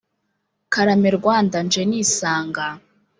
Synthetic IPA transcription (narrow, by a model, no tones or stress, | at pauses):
kaɾameɾɡwaːndand͡ʒeniːsaːŋɡa